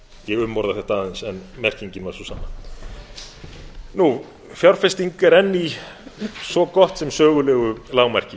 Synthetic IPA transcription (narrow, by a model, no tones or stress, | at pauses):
jɛɣʏmːɔɾðaθɛht̪aaːðansɛnmɛr̥ciɲcɪnvaɾ̥susanːa | nu | fjawɾ̥fɛst̪iŋkɛɾɛnːi | svɔkɔht̪sɛmsœːɣʏlɛːɣʏlaːwmɛr̥cɪ